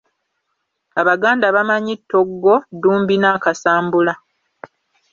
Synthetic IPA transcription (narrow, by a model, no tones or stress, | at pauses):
aβaɡaːndaβamaɲitːo̞ɡːo̞duːmbinaːkasaːmbula